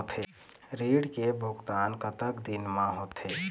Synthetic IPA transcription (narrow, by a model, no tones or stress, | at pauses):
t̪ʰe | ɾiːɽkebʱʊɡt̪aːnkət̪əkd̪ɪnmãɦot̪ʰeː